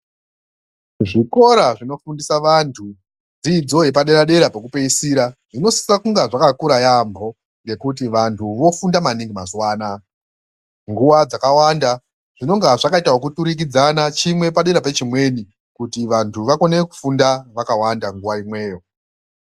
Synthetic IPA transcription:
ʐiko̞ɾaʐino̞fundisaʋantʰu | d͡zid͡zo̞ɦe̞paɗe̞ɾaɗe̞ɾapekupeisiɾaʐ̥ino̞si̥sakuŋɡaʐakakuɾajambʱo̞ | ŋɡe̞kut̬iʋantʰuʋo̞fundamaniŋɡimazwaːna | ŋɡuʋad͡zakawanda | ʐ̥ino̞ŋɡaʐakaitaɦokutuɾik̬id͡zanat͡ʃimwe̞paɗe̞ɾapet͡ʃimwe̞ni | kutiʋantʰuʋako̞neku̥fundaʋakawandaŋɡuwaimwe̞ːjo̞

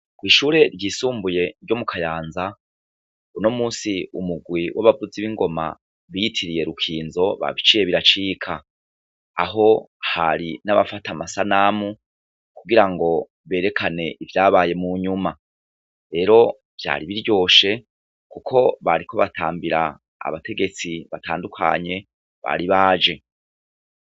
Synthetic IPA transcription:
kwiːʃuːɾe̞ɾɟiːsuːmbuje̞ɾɟo̞mukʰajaːnza | uno̞muːsiumuɡwiwʔaβavuziβiŋɡo̞ma̰ | βijitʰiɾije̞ɾukʰiːnzo̞βa̰βit͡ʃije̞βiɾat͡ʃikʰa | a̰ɦo̞ | ha̰ɾinaβa̰fatamasanaːmu | kuɡiɾaŋɡo̞ | βe̞ːɾe̞kʰane̞ʔivjaːβaːje̞muɲuma | ɾe̞ːɾo̞ | v̥ja̰ːɾiβiɾjo̞ːʃe̞ | kukʰo̞βaɾikʰoβatʰa̰ːmbiɾa̰ː | βate̞ɡe̞t͡siβataːndukʰa̰ɲe̞ | βa̰ɾiβaːd͡ʒe̞

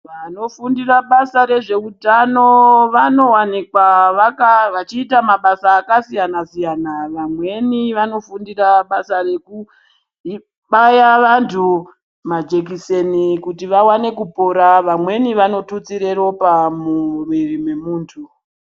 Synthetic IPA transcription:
ʋano̞fundiraɓasaɾe̞ʐe̞utano̞ʋano̞wanikwaʋakaʋat͡ʃiːtamaɓasaːkasijanasijanaʋamwe̞niʋano̞fundiraɓasare̞ku | i | ɓajaʋantʰu | mad͡ʒe̞k̬isenikutiʋawane̞kupo̞ɾaʋamwe̞niʋano̞tut͡siɾe̞ro̞pamumirimwe̞muːntʰu

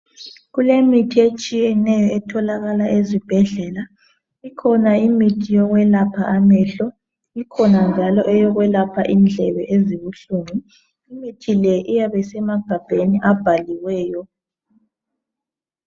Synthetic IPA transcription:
ɣulemitʰiet͡ʃʼijɛnɛjɔɛtʰɔlaɣalaʔezib̥ʱɛɮɛla | ikʰɔnaimitʰijɔɣwɛlapʰaʔamɛːɬɔ | ikʰɔnand͡ʒʱalɔʔɛjɔɣwɛlapʰa̰ʔind͡ɮʱɛβɛʔeziβuɬuŋiː | mitʰilɛʔijaβɛsɛmaɡ̥ʱab̥ʱeniʔab̥ʱaliwɛːjɔ

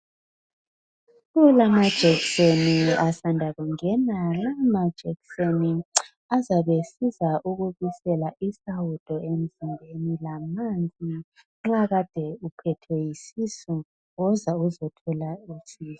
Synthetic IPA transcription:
ɣulamad̥ʒ̥ʱɛkseniasandʱaɣuŋɛnalamad̥ʒ̥ʱɛkseni | azaβesizaʔuɣuβisɛlaʔisawud̥ʼʱɔem̩zimbʱenilamand͡zʱʼi | ŋ͡ǁaɣad̥ʱɛupʰɛtʰwɛjisisu | ɣɔzauzɔtʰɔlaisiːsɔ̥

